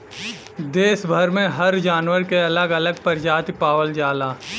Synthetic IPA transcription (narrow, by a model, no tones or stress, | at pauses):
d̪eːsbʱɐɾmẽɦɐɾd͡ʒaːnwəɾkeɐləɡɐləɡ̚pɐɾd͡ʒaːt̪ipaːʋəld͡ʒaːlaː